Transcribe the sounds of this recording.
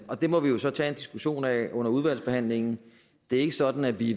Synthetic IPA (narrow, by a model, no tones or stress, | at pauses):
ɒ̽d̥e̝mɒ̽ʋijo̝sɒ̽t͡sʰɛe̝nd̥isɡ̥uɕo̝̰ːnɛʔɔ̽n̰ɐuð̞ˠʋæl̰sb̥e̝hæn̰le̝ŋ̰n̩ | d̥e̝æɐe̝ɡ̥əsɒ̽d̥n̩æʋi